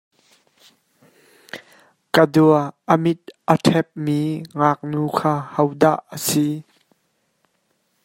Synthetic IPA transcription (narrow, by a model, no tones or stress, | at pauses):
kəduəʔəmit̪̚ʔətʰɛp̚miːŋaːk̚nuːkʰaːhɐwda̰ʔːəsi